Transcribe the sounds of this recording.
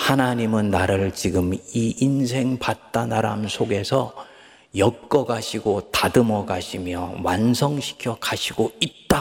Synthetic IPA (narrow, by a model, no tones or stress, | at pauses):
hanaɲimɯnːaɾɯɭt͡ɕiɡɯmiinsʰe̞ŋpat̚t͈anaɾa̰msʰoɡe̞sʰʌ | jʌk̚k͈ʌɡaɕʰiɡotadɯmʌɡaɕʰimjʌ̰wansʰʌŋɕʰi̥kʰjʌkaɕʰiɡoit̚t͈a